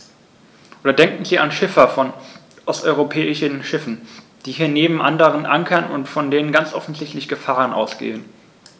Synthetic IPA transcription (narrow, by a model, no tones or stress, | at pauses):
ʔoːdɐdɛŋkŋ̩ziːanʃɪfɐfɔn | ʔɔstʔɔʏʁopʰɛːɪʃənʃɪfn̩ | d̥iːhiːɐneːbm̩ʔandəʁənʔaŋkʰɐnʊ̰ntfɔndeːnənɡant͡sʔɔfn̩zɪçtlɪçɡ̥əfaːʁənʔa̰ʊsɡ̥ḛːən